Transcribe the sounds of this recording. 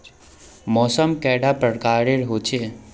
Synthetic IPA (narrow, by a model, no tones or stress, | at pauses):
mɔːsəmkɛːɖapɾəɾkaːɾeɾɦoːt͡ʃʰe